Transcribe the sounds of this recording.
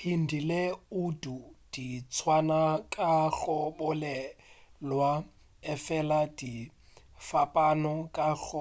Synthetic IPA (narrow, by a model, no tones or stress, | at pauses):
hin̩dileudud̥it͡sʰwanakʼak͡xɔbɔlɛlwa | ɛfɛlad̥i | fapʼanɔkʼaɬɔ